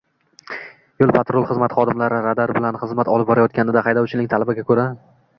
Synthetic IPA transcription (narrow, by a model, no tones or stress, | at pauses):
jolˠpʰat̪ɾolˠχɨzmat̪χɒd̪ɪmlaɾɪɾad̪aɾbɪlanχɨzmat̪ɒlɪp̚bɒɾajɒt̪̚kʲanɪd̪aχɑjd̪ɒwt͡ʃʰɪnɪŋt̪ʰalɪbaɡʲakʰɵɾa